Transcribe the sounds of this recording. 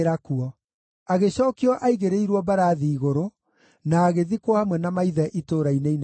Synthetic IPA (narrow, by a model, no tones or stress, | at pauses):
ɾakuɔ | aɣeɕɔːkiɔʔaiɣeɾeiɾwɔbaɾaːðiːɣoɾo | naːɣeðikwɔhamwɛnamaiðɛʔitoːɾainein